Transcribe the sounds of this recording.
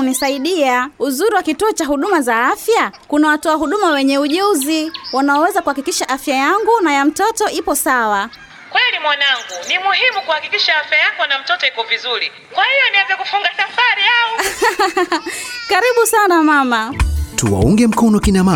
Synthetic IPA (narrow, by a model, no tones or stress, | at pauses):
nisaiɗiauzuɾiwakituɔt͡ʃaɦuɗumazaafjakunawatɔaɦuɗumawɛɲɛuʄuziwanaɔwɛzakuhakikiʃaʔafjajaŋɡunajam̩tɔtɔʔipɔsawa | kwɛlimwanaŋɡunimuhimukuhakikiʃaafjajakɔnam̩tɔtɔikɔvizuɾi | kwahijɔniwɛzɛkufuŋɡasafaɾiaɔ | kaɾiɓusanamamatuwa̰uŋɡɛm̩kɔnɔkinama